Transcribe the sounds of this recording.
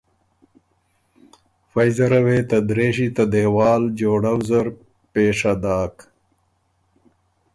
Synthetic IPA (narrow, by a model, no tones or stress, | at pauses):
fɐjzɐɾɐweːt̪ɐd̪ɾeːɕit̪ɐd̪ewɑːld͡ʒoːɽɐwzɐɾ | peːʂad̪aːk